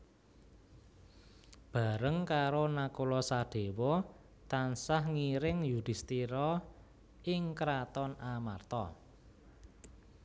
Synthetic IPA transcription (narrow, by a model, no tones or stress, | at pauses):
b̥a̤ɾəŋkaɾonakulɔsaɖ̥e̤wɔ | t̪ansahŋiɾɪŋjud̪̥i̤st̪iɾɔ | ɪŋkɾat̪ɔnamart̪ɔ̰